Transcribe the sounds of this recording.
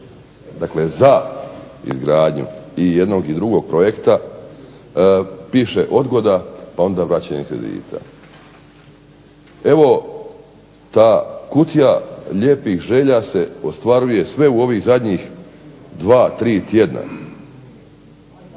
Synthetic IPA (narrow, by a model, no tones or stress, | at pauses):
d̪akle̞za | ḭzɡɾaːd̪ɲṵijed̪no̞ɡid̪ɾuɡo̞ɡ̚pɾo̞je̞kt̪a | piːʃe̞ʔo̞d̪ɡo̞d̪apao̞nd̪aʋɾat͡ɕaɲekɾe̞̰d̪ḭːt̪ʰa̰ | e̞ʋo̞ | t̪aːkut̪ijaʎe̞ːpixʒe̞ʎase̞o̞st̪ʋaɾuje̞sʋe̞uo̞ʋiːɣzad̪ɲix | d̪ʋaːt̪ɾiːt̪jed̪nʔa̰